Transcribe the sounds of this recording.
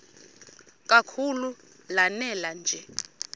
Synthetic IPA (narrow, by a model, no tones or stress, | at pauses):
kʼakʰulu | lanɛland͡ʒʱɛ